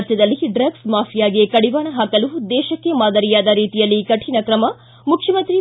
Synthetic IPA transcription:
ɾt͡ʃ̪jɐd̪ɐlːiɖɾɐɡsmaːfʰijaːɡekɐɽiʋaːɳɐɦɐkɐlud̪ɛːʃɐkːe̞maːd̪ɐɾijaːd̪ɐɾiːt̪ijɐlːikɐʈʰinɐkɾɐmɐ | mukʰjɐmɐnt̪ɾi

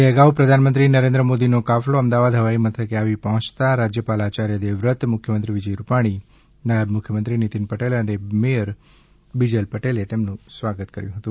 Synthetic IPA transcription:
eəɡaʋpɾəd̪ʱanmənt̪ɾinəɾẽnd̪ɾəmod̪inokafloəmd̪aʋad̪ɦəʋaimət̪ʰəkeaʋipəɦɔ̃t͡ʃt̪aɾad͡ʒjəpalat͡ʃaɾjəd̪eʋɾət̪mʊkʰjəmənt̪ɾiʋid͡ʒəjɾupaɽ̃i | najəbmʊkʰjəmənt̪ɾinit̪inpəʈelənemeəɾ | bid͡ʒelpəʈelet̪emnũsʋaɡət̪kəɾjũɦət̪ũ

